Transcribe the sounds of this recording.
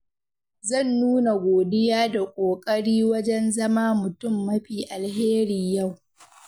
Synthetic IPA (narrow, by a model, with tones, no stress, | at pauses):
zɐ˦˨nːuː˦na˨ɡʷoː˨dɪ˦jaː˦da˨kʷʼoː˨kʼɐ˦ɽiː˦wɐ˦d͡ʒɛ˦nzɐ˦maː˦mʊ˨tʊ˦˨mːɐ˦ɸiː˨ʔa˨lheː˦ɾi˨ja˦˨w